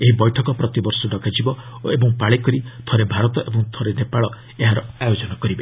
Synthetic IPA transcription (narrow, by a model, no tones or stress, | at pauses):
eɦibɔjʈʰɔkɔpɾɔt̪ibɔɾsɔɖɔɡad͡ʒibɔebɔŋpaɭekɔɾit̪ʰɔɾebʱaɾɔt̪ɔʔebɔŋt̪ʰɔɾenepaɭɔ | eɦaɾɔajod͡ʒɔnɔkɔɾibe